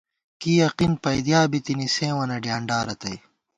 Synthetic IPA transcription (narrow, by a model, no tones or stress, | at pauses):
kiːjɐqinpɐjd̪jaːbit̪inisẽːwɐnɐɖjaːɳɖaːɾɐt̪ɐj